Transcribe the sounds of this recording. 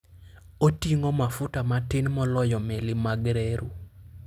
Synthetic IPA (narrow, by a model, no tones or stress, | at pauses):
otiŋomafutamatɪnmɔlɔjɔmelɪmaɡɾeɾu